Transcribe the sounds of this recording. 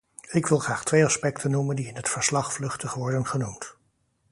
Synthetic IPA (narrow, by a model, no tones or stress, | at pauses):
ɪkʋɪlˠχraːχtʋejɑspɛktʰənːuməndiɪnɦətfəɹslɑχflɵχtəχʋɔɹdənχənumt